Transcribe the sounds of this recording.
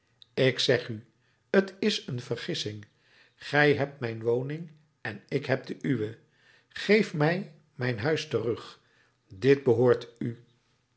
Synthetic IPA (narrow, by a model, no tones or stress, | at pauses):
ɪksɛχy | ətɪsənvərχɪsɪŋ | χɛjɦɛp̚tmɛjnʋownɪŋ | ɛnɪkɦɛp̚dəʔyʋə | χejfmɛj | mɛjnɦœɥstərɵχ | dɪd̚bəɦʊːɹty